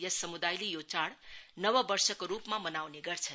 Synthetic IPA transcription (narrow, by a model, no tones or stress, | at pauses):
jəsəmud̪ajlijot͡ʃaɽnəʋəbəɾʃəkɾupmãmənaʋneɡəɾt͡ʃʰe